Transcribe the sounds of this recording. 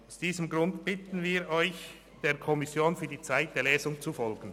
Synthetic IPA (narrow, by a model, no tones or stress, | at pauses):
aʊsd̥iːzəmɡʁʊndb̥ɪtn̩viːɐʔɔʏç | d̥eːɐkʰɔmɪsjoːnfyːɐdiːt͡saɪt̚d̥eːɐlɛːzʊŋt͡sufɔlɡn̩